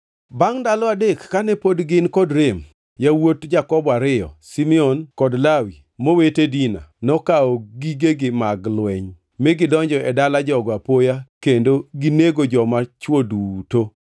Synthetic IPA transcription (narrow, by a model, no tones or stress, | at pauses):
baŋdalɔadekːanɛpodɡɪnkɔdɾem | jawotd͡ʒakɔbaɾɪjɔ̰simɛɔnkɔdlawi | mowetedina̰nɔkaɔɡiɡeɡɪmaɡlwɛɲ | mɛɡɪdɔɲd͡ʒɔɛdalad͡ʒɔɡapojakendoɡineɡod͡ʒɔmat͡ʃwoduto